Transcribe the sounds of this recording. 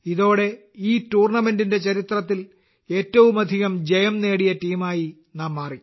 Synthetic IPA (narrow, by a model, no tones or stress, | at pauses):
iðo̞ːɽe̞ | iːtuːrɳɐme̞ndinde̞t͡ɕɐɾit̪rɐt̪ːil | e̞ːtːɐʋumɐd̪ʱiɣɐmd͡ʑejɐmne̞ːɽijɐtiːmaːji | naːmːaːrikː